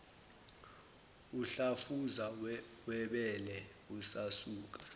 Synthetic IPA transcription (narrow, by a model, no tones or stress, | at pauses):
uɬafuza | wɛɓɛlɛ | usasuːk̬ḁ